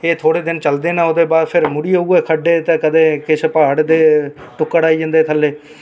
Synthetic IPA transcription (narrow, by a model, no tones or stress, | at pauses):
eːt̪ʰoːɽeːd̪ɪnt͡ʃəld̪eːnãːoːd̪eːbaːɾpʰɪɾmʊɽiːouːeːkʰəɖːeːt̪ẽːkəd̪eːkɪt͡ʃʰpaːɖd̪eːʈʊkːəɽaːiːd͡ʒə̃nd̪eːt̪ʰəlːeː